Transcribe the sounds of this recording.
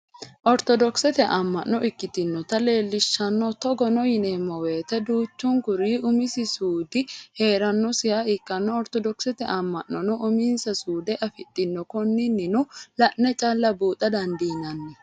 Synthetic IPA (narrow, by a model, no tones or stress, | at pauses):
ʔɔɾt̪ɔd̪ɔksɛt̪ɛʔɐmːɐʔnːɔʔɪkːɪt̪ɪnːɔt̪ɐle̞ːlːɪʃːɐnːɔt̪ɔɡɔnɔjɪneːmːɔweːt̪ɛd̪uːt͡ʃːʊŋkʊɾiːʔʊmɪsɪsuːd̪ɪhe̞ːɾɐnːɔsɪjaɪkːɐnːɔɔɾt̪ɔd̪ɔksɛt̪ɛʔɐmːɐ̰ʔɔnɔʔʊmiːnsɐsuːd̪ɛʔɐfɪt̪ʼːɪnːɔkɔnːɪnːɪnʊlɐʔnɛt͡ʃʼalːɐbuːt̪ʼɐd̪ɐnd̪iːnɐnːɛ